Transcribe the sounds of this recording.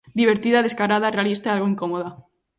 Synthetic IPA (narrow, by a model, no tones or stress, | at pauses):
d̪iβ̞eɾt̪iðaðeskaɾaðarealist̪aalɣoiŋkomoða